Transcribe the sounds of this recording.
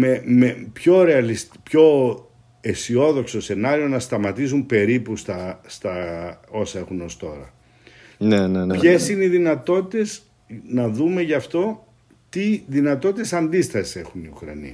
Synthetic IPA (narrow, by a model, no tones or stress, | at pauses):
memepço̞ɾe̞ɐlis | pço̞ | esio̞ðo̞kso̞se̞nɐɾio̞nɐst̪ɐmɐt̪isumpe̞ɾipust̪ɐst̪ɐo̞sɐe̞xuno̞st̪o̞̰ɾɐ̰ | nenepçe̞sineiðinɐt̪o̞t̪it̪e̞s | nɐðume̞ʝɐft̪o̞ | t̪iðinɐt̪o̞t̪it̪esɐnd̪ist̪ɐsi̥se̞xuniukɾɐ̰nḭɐ